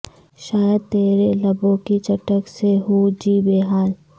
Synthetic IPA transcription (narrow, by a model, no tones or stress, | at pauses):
ʃaːjəd̪̚t̪eːɾelɐbõkit͡ʃɐʈəkseɦud͡ʒiːbeːɦaːl